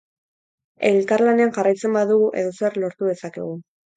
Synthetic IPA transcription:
e̞lkaɾlane̞anʝarajt͡se̞mbaðuɣuʔe̞̰ðo̞se̞ɾlo̞ɾt̪uð̞e̞sakḛɣ̞u

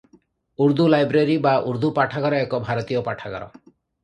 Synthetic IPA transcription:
uɾd̪ulajbɾeɾibauɾd̪ʱupaʈʰaɡɔɾɔekɔbʱaɾɔt̪ijɔpaʈʰaɡɔ̰ɾɔ̰

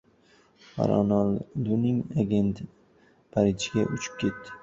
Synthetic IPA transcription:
a̰ɾɒ̰nald̪unɪŋaɡʲe̞nt̪ | pʰaɾid͡ʒɡʲaʔʊt͡ʃʰɪ̥p̚kʲʰe̞t̪ːɪ̥

